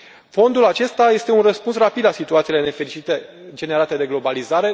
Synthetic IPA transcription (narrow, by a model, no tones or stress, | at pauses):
fo̞nd̪ulat͡ʃe̞st̪aje̞st̪e̞unrəspunsrapid̪lasit̪uat̪sile̞ne̞fe̞ɾit͡ʃit̪ed͡ʒe̞neɾat̪e̞d̪e̞ɡlo̞balizaɾe̞